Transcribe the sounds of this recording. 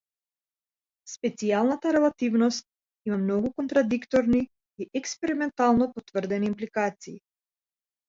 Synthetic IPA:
spɛt̪sialˠnat̪aɾɛlˠat̪ivnɔst̪̚ | imamnɔɡukɔnt̪ɾad̪ikt̪ɔɾni | iʔɛkspɛɾimɛnt̪alˠnɔpɔt̪vər̩d̪ɛniːmplikat̪siː

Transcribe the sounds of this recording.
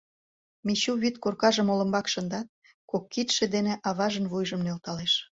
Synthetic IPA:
miɕuβit̪korkɑʒəmolə̆mbɑkʃə̆nd̪ɑt̪̚ | kokːit̪ʃĕd̪eneʔɑβɑʒənβujʒəmnølt̪ɑleʃ

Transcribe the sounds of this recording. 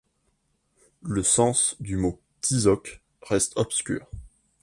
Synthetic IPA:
ləsɑ̃sd̪ymo | t̪ʰizɔk | ʁɛst̪ɔpskʲy̰ːʁ

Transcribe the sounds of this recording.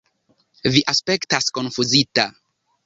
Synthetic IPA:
viʔaspe̞ktasko̞nfuzita

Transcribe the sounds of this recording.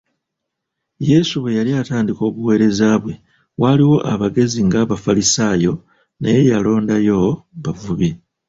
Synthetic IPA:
je̞suβe̞jaliataːndiko̞ːβuwe̞ːɾe̞zaβwe̞ | waliwo̞ʔaβaɡe̞ziŋɡaβafalisaːjo̞ | nejejalo̞ːndajo̞βavuβi

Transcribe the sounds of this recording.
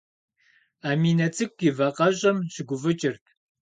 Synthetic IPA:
aːmiːnɐt͡sʼʰɨkʷʼːivɐqɐʑʼɐmɕɪɡʷʊvɨt͡ʃʼɪrtʰ

